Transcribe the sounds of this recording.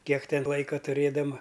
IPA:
ˈkʲiɛk ˈtʲɛn ˈlˠɐɪkɐ tʊˈrʲeːdɐmɐ

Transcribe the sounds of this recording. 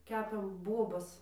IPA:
ˈkʲæːpʲeːm ˈbuɔbɐs

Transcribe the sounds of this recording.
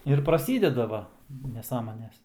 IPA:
ɪr prɐˈsʲiːdʲɛdɐ ˈʋɐ nʲɛˈsɑːmoːnʲɛs

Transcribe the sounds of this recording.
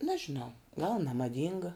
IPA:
nɐʒʲɪˈnɐʊ ɡɐlˠ nʲɛmɐˈdʲiːŋɡɐ

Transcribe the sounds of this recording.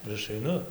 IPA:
ɪr ˈɐʃ ɐɪˈnʊ

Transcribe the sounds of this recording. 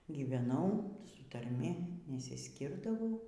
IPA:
ɡʲiːʋʲɛˈnɐʊ sʊ tɐrʲˈmʲɪ nʲɛsʲɪsʲˈkʲɪrdɐʋɐʊ

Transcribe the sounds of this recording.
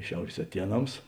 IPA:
ˈʃʲɛʊrʲeːs ɐˈtʲiɛˌnɐms

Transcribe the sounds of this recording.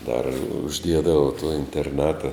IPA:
dɐr ʊʒʲˈdʲiɛdɐʋɐ toː ɪnʲtʲɛrˈnɑːtɐ

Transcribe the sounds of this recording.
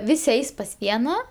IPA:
ˈʋʲɪsʲɪ ˈɛɪs pɐs ˈʋʲiɛnɐ

